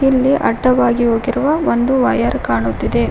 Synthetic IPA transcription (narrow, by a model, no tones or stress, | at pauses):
ilːiʔɐ̰ɖːɐʋaːɡiɦo̞ːɡiɾuʋɐʋond̪uʋɐjɐɾkaːɳut̪ːid̪e̞